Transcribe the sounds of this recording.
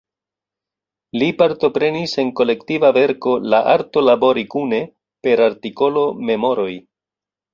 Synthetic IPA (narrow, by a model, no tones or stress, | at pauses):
lipaɾto̞pɾe̞nise̞ŋko̞le̞ktivave̞ɾko̞laʔaɾto̞labo̞ɾikune̞ | pe̞ɾaɾtiko̞lo̞me̞mo̞ɾo̞j